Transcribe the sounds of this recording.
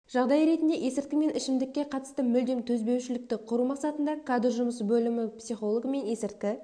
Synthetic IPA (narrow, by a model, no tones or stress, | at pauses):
ʒ̥ɑʁd̪ɑjɾe̞t̪ɪnd̪e̞ʔe̞sɪɾt̪kʲɪme̞nʔɪʃɪmd̪ɪkʲːe̞qʰɑt̪ə̥st̪əmʏld̪e̞mt̪ʰɵzbe̞wʃɪlɪk̚t̪ɪqʰʊɾumɑqsɑt̪ənd̪ɑkʰad̪rʒʊməs̬bɵlɪmɪpsijχo̞lˠoɡəme̞ne̞sɪɾt̪kʲɪ